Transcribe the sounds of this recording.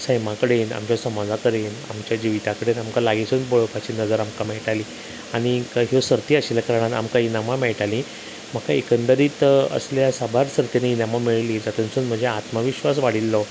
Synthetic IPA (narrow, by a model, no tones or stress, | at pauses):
səjmakəɽena̰mt͡ɕjasəmad͡zʱakəɾena̰mt͡ɕjad͡ʑiʋit̪akəɽenamkalaɡit͡sunboɭəpat͡ɕiːnəd͡zəɾamkamɛɭʈaliː | aɽ̃ikaɦosəɾt̪iaɕilakəɾɳ̃at̪a̰mkainamamɛɭʈalĩ | m̤əkaekənt̪əɾiːt̪ə̰sljasabʱaɾsəɾt̪ineinamamiɭliːd͡zat̪unsuːnm̤əd͡ʑeat̪maʋiɕʋas̬ʋaɽ̤ilːɔ